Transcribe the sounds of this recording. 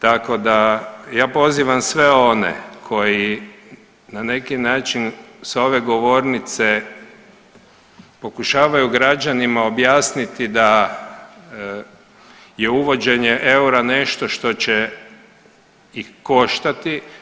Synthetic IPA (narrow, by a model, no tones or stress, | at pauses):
t̪ako̞d̪ajaːpo̞ziːʋamsʋe̞o̞nḛkʰo̞ji | nane̞kinaːt͡ʃinso̞ʋe̞ɡo̞ʋo̞ːɾnit̪se̞ | po̞kuʃaːʋajuɡɾad͡ʑanimao̞bjaːsnit̪id̪a | jeuʋo̞d͡ʑe̞ɲeʔeuɾane̞ʃt̪o̞ʃt̪o̞t͡ɕe | ixko̞ʃt̪at̪i